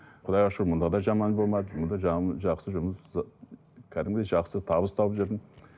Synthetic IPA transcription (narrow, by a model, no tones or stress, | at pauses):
qʰʊd̪ɑjɑʃumʊnd̪ɑd̪ɑʒɑmɑnbo̞lˠmɑd̪əmʊnd̪ɑʒɑʒɑqsəʒʊməs | kʲʰæd̪ɪmɡʲɪd̪eʒɑqsət̪ʰɑbəst̪ʰɑwəpʒeɾd̪ɪn